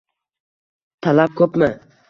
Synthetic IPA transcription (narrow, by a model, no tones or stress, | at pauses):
t̪ʰalap̚kʲʰɵpmɪ